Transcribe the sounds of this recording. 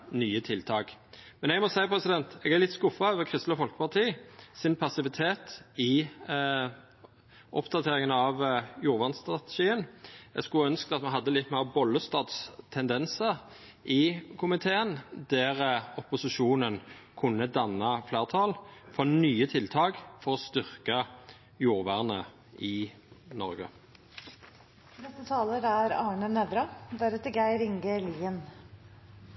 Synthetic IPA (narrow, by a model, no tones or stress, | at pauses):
nyːət̪ʰɪlt̪ʰɑːkmɛnɛɡmɔsæɪpʰɾɛsɪd̪ɛnt̪ɛɡæʁlɪt̪skʊfɑøːʋəkʰʁɪst̪ləfɔlkə̥pʰɑʁt̪ʰiːsɪnpʰɑsɪʋɪt̪ʰeːt̪ɪ | ʔɔ̰pːd̪ɑt̪ʰeːɾɪŋənɑʋjuːɾʋɑnst̪ʁɑt̪ɛʃiːənɛ̰ɡskʉlœnskəd̪ɑt̪mɛɦɑd̪ːəlɪt̪ːmæɪʁbɔlːəst̪ɑːt̪st̪ʰɛnd̪ɛnsəɾ | ɪkʰʊmɪt̪ʰeːənd̪ɛːʁəɔpʊsɪʃuːnənkʰʉnːəd̪ɑnːɑfleːʁt̪ʰɑːlfɔʁnyːət̪ʰɪlt̪ʰɑːɡfɔʁɔst̪ʏʁkɑ | juːɾʋæʁnə | ʔɪ | nɔɾɡə̰ | nɛst̪ət̪ʰɑːləɾæɾɑːɳənɛd̪ɾɑd̪æɾɛt̪ːəɡæɪɾɪŋɡəliːən